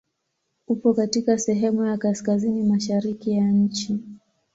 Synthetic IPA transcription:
upɔkatikasɛɦɛmujakaskazinimaʃaɾikijaɲ̩t͡ʃi

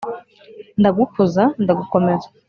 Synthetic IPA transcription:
ndaɡukuzandaɡuko̞me̞zḁ

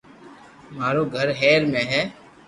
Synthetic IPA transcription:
maːɾoːɡʱəɾɦɛːɾmẽːɦɛː

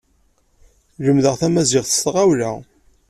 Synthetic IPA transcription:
ləmðəʁθæmæzɪʁθə̥st̪ʁawlæ

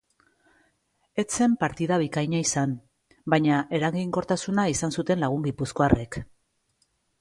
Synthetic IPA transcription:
e̞t͡se̞mpaɾt̪iðaβ̞ikajɲaisan | bajɲaʔe̞ɾaɣiŋko̞ɾt̪asunaisansut̪e̞nlaɣ̞uŋɡipusko̞arʔe̞k

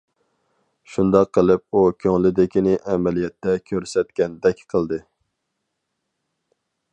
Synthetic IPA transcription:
ʃund̪ɑqʰːəlˠɨp̚ukʲʰøŋlɪd̪ɪkʲinɪʔɛmɛlijɛt̪ːɛkʲʰøɾsɛt̪kʲɛnd̪ɛkʲqʰəlˠd̪ɨ

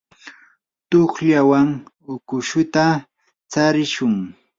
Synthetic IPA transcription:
t̪oχʎawaŋ | ʊkʊʃʊt̪a | t͡saɾɪʃʊŋ

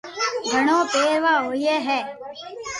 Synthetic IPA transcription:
ɡʱəɳ̃õːpeːɾʋaːɦoːiːeːɦɛː

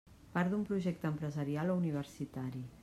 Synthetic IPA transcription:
paɾd̪umpɾuʒɛk̚t̪əmpɾəzəɾialouniβ̞əɾsit̪aɾi

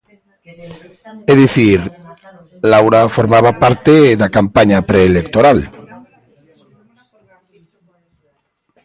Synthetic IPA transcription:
eðiθiɾ | lawɾafoɾmaβ̞apaɾt̪eðakampaɲapɾeːlekt̪oɾal

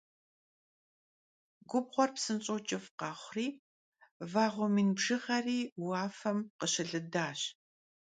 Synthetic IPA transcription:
ɡʷʊbʁʷɔrpsɨnt͡ʃʼot͡ʃʼɪfqɑːχʷriː | vaːʁʷʊmiːnbʒɨʁɐriːwaːfɐmqəɕɐɮɨdaːɕ

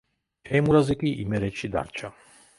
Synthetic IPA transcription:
ɛmuɾazɛkʼiʔḭmɛɾɛʃid̪a̰ɾt͡ʃʰa

